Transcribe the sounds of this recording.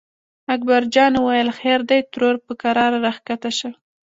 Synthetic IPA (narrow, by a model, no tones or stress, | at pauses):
ak̚baɾd͡ʒɑnwajəlxeɾd̪ajt̪ɾoɾpəkaɾɑɾaɾaxkat̪aʃə